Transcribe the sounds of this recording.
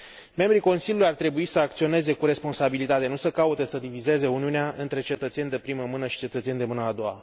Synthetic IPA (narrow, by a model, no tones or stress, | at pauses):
me̞mbɾiko̞nsilʲjulujart̪ɾe̞buisəakt̪sio̞ne̞ze̞kuɾe̞spo̞nsabilit̪at̪e̞nusəkaut̪e̞səd̪ivize̞ze̞uniuneaʔɨnt̪ɾe̞t͡ʃe̞t̪ət̪se̞nʲd̪epɾiməmɨnəʃi̥t͡ʃe̞t̪ət̪se̞nʲd̪emɨnəad̪o̞wa̰